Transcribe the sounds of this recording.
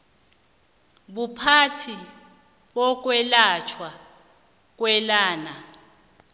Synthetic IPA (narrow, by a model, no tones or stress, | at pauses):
ɓupʰatʰi | ɓɔk̬wɛlat͡ʃʰwa | k̬ʼwɛlaːna